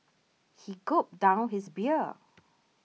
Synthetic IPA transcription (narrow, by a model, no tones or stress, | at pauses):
hikʊp̚d̥ãʊ̃nɦɪsbiə